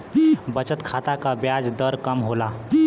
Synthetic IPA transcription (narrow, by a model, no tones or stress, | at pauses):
bət͡ɕət̪kʰat̪akabjad͡zd̪əɾkəmɦola